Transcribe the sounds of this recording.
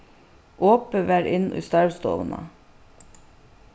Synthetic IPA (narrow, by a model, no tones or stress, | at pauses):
ʔoːpəʋæːɾʔɪnʔʉ̰ːst̪ɑɹst̪o̰ːʋnɑ̰